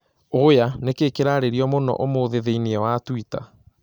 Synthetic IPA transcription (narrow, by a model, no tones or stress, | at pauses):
ojanekekeɾaɾeɾiɔmonɔ̰ʔomoðeðeiniɛwatwita̰